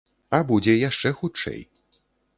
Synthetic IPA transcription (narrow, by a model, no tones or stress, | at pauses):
ɐbud͡zʲɛjaʂt͡ʂɛxut͡ʂɛ̰j